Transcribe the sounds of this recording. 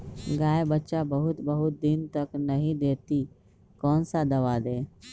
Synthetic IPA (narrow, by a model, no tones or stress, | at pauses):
ɡaːebətːʃabəɦʊt̪bəɦʊt̪̚d̪ɪnt̪ɐknɐɦĩd̪eːt̪i | kɔːnsad̪ɐʋad̪eː